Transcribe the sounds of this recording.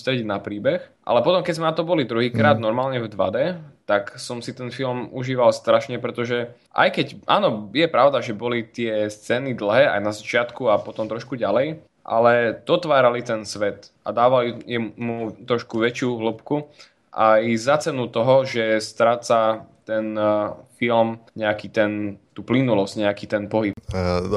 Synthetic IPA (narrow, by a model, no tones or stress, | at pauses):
st̪ɾɛɟinapɾiːbɛxʔa̰lɛpɔt̪ɔmkɛzmɛnat̪ɔbɔlid̪ɾuɦiːkɾaːd̪̚nɔɾmaːlɲɛvd̪ʋa̰d̪ɛt̪aksɔmsit̪ɛnfilmuʒiːʋalst̪ɾaʃɲɛpɾɛt̪ɔʒɛ | ʔa̰jkɛcʔa̰ːnɔjɛpɾaʊd̪aʒɛbɔlit̪ɪɛst͡sɛːnid̪l̩ˠɦɛːa̰jnazat͡ʃɪat̪kuapɔt̪ɔmt̪ɾɔʃkuɟalɛj | ʔa̰lɛd̪̥ɔt̪ʋaːɾalit̪ɛnsʋɛt̪ʔa̰d̪aːʋalijɛmut̪ɾɔʃkuʋɛt͡ʃɪuɦləpku | ʔa̰jzat͡sɛnut̪ɔɦɔʒɛst̪ɾaːt͡sat̪ɛnfilmɲɛakiːt̪ɛnt̪uːplinulɔscɲɛakiːt̪ɛnpɔɦip